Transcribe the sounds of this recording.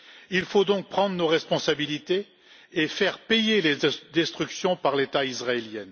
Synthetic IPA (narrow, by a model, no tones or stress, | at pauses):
ilfod̪ɔ̃k̚pχɑ̃d̪ʁənoʁɛspɔ̃sabilit̪eː | fɛʁpejeled̪ɛst̪χyksjɔ̃paʁlet̪aisʁaeljɛn